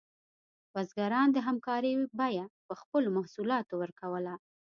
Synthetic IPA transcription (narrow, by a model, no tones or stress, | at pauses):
wazɡaɾɑnd̪əɦamkɑɾəjbɑjapəxpəlomahsulɑt̪owəɾkawəla